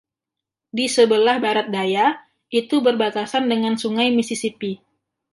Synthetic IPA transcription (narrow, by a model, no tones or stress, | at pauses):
disəbəlahbaɾat̪̚daja | ʔit̪ubərbat̪asandəŋansuŋajmisisipi